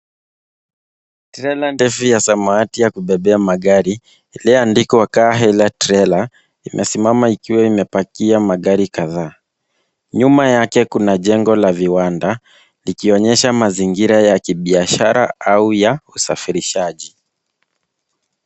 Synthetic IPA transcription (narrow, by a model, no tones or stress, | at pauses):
tɾɛlandɛfujasamaatijakuɓɛɓɛamaɠaɾi | liandikɔwakaːɦɛlatɾɛla | imʔɛ̰simamaikiwɛimɛpakiamaɠaɾikaðaː | ɲumajakɛkunaʄɛŋɡɔlaviwanda | likiɔɲɛʃamaziŋɡiɾajakiɓiaʃaɾa̰ʔaujausa̰fiɾiʃaʄi